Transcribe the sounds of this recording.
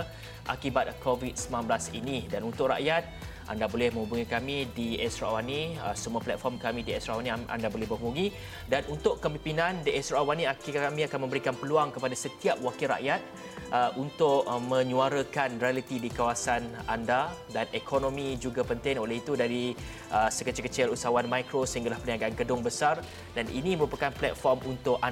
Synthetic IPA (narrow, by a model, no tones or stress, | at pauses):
ʔa̰kibat̪̚kovit̪̚səmlanbəlasḭnidanunt̪ʊʔra̰ʔjat̪̚ʔa̰ndabolɛhmə̃ŋubuŋikamidiɛsɾaawaniəsəmuaplɛt̪̚fɔrmkamĩdiɛsɾaawaniʔa̰ndabolɛɦbəɦubuŋi | danunt̪ʊʔkəmpimpinãndiʔɛsɾaawaniaamĩakanmə̃mbəɾikanpəluaŋkəpadasət̪iap̚wakilɾa̰ʔjat̪̚ | ʔəʔunt̪ʊʔmə̃ɲũaɾəkanrialit̪idikawasanandadanɛkʰonõmid͡ʒuɡapənt̪ɪŋoleɦit̪udaɾi | ʔəsəkət͡ʃəkət͡ʃɛlusawanmãjkɾosəɦiŋɡalahpəniaɡaanɡədʊŋbəsar | danʔḭnĩməɾupakanplɛ̰t̪̚fɔrmunt̪ʊʔa